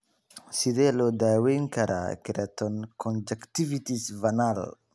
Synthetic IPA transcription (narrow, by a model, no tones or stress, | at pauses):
sidɛlɔdaːwɛŋkɐɾa̰kiɾat̪ɔnkɔnd͡ʒɛkt̪ivit̪isvanal